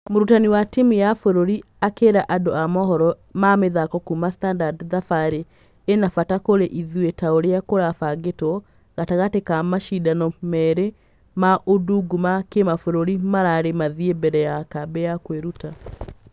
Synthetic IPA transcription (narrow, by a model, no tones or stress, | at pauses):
moɾutaniwatimijafoɾoɾi | akeɾaʔadoamɔhɔɾɔ | mameðakɔkumastandadðafaɾeː | nafatakoɾeʔiðwetaoɾeakoɾafaɡetɔ | ɣataɣatekamaʃidanɔmɛɾe | maʔoduɡumakemafoɾoɾimaɾaɾemaðiebɛɾɛjakabɛjakweɾuta